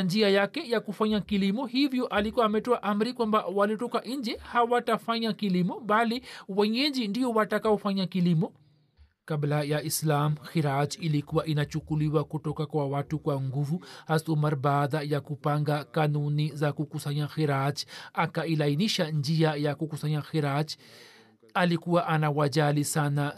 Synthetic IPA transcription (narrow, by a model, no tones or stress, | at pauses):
nd͡ʒiajakɛjakufaɲakilimɔhivjɔʔalikuwaːmɛtɔaʔam̩ɾikwambawalitɔkaʔiɲd͡ʒɛhawatafaɲakilimɔɓaliwɛɲɛɲd͡ʒindiɔwatakaɔfaɲakilimɔ | kablajaislamxiɾat͡ʃilikuwaʔinat͡ʃukuliwakutɔkakwawatukwaŋɡuvuhasumaɾbaːðajakupaŋɡakanunizakukusaɲaxiɾat͡ʃakailainiʃand͡ʒiajakukusaɲaxiɾat͡ʃ | alikuwaʔanawaʄalisana